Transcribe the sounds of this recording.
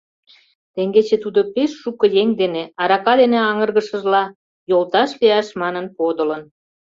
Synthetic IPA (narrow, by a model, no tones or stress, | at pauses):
t̪eŋɡet͡ɕet̪ud̪opeʃːukə̆jeŋd̪eneɑɾɑkɑd̪eneɑŋərɣə̆ʃə̆ʒlɑ | jolt̪ɑʃliɑʃmɑnənpod̪ələn